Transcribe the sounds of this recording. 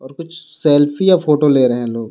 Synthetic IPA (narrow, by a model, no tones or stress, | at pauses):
ɔːɾkʊt͡ʃʰsɛːlfʰijafoːʈoleːɾɐɦɛ̃loːɡ